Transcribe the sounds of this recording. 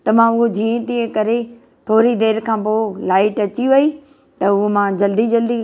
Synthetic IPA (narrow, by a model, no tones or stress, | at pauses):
t̪ɐmãːʊɦod͡ʑiːẽt̪ĩːẽkɐɾe | t̪ʰoːɾid̪eːɾkʰãːpoolaːɪʈɐt͡ɕiʋɐi | t̪ɐʊɦmãːd͡ʑɐld̪id͡ʑɐld̪i